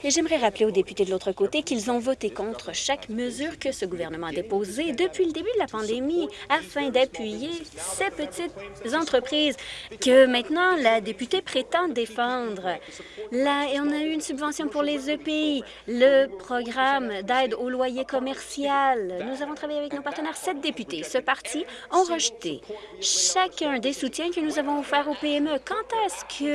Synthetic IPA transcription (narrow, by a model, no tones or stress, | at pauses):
eʒɛmʁɛʁapleod̪epy̥t̪ed̪əlot̪χəkot̪ekʲilzɔ̃vɔt̪ekɔ̃t̪χəʃakməzyːʁkəsəɡuvɛʁnəmɑ̃ad̪epozed̪əpɥiləd̪ebyd̪əlapɑ̃d̪emiafɛ̃d̪apɥijesepət̪it̪zɑ̃t̪χəpχiːzkəmɛ̃t̪nɑ̃lad̪epyt̪epχet̪ɑ̃d̪efɑ̃d̪ʁ | laɔ̃nayynsybvɑ̃sjɔ̃puʁlezøpei | ləpχɔɡʁamd̪ɛːd̪olwajekɔmɛʁsjalnuzavɔ̃t̪χavajeavɛknopaʁt̪ənɛːʁsɛt̪̚d̪epyt̪esəpaʁt̪ʰi | ɔ̃ʁəʒt̪ḛʃakʲɛ̃d̪esut̪jɛ̃kənuzavɔ̃fɛːʁopeɛmøkɑ̃t̪ɛskʰə